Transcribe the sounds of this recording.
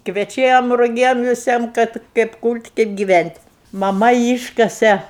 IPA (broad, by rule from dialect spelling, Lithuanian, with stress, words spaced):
kʋʲɛˈt͡ʃʲɛm rʊˈɡʲɛm ʋʲɪˈsʲiɛm kɐt kɐɪp kuːlʲtʲ kɐɪp ɡʲɪˈʋʲænʲtʲ mɐˈmɐ ˈiːʃkɐsʲɛ